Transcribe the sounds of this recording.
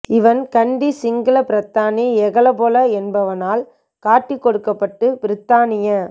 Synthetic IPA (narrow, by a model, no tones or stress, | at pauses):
ɪʋɐnkɐɳɖisɪŋɡɐlɐpɪɾɐt̪ːaːniɛɣɐɭɐboːlɐɛnbɐʋɐnaːl | kaːʈːɪkːɔɽɯkːɐpːɐʈːɯpɪɾɪt̪ːaːnɪjɐ